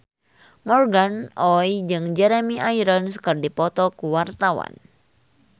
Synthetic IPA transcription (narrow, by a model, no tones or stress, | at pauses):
mɔrɡanʔɔjd͡ʒɨŋd͡ʒɛɾɛmiʔaiɾɔnskərdipɔt̪ɔkuwart̪awa̰n